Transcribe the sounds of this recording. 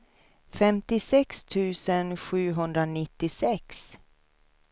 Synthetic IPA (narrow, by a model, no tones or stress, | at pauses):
fɛmt̪ɪsɛkst̪ʰʉ̟ːsənɧʉ̟ːɦɵnd̪ɾanɪt̪ːɪsɛks